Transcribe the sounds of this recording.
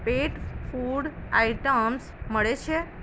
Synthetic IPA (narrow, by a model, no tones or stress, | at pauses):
peʈfuɽaiʈəms | məɭet͡ʃʰe